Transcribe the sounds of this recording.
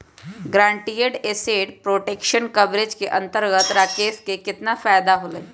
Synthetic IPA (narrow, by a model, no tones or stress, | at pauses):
ɡɾãːɳʈijeɖeseːɖpɾoːʈeːkʃənkɐbɾed͡ʒkeʔɐ̃nt̪əɾɡət̪ɾakeːskekɪt̪nafaːjd̪aɦoləi